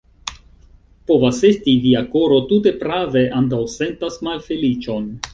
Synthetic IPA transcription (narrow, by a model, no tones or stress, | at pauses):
po̞vase̞stiviako̞ɾo̞tute̞pɾave̞ʔant̬awse̞ntasmalfe̞lit͡ʃo̞n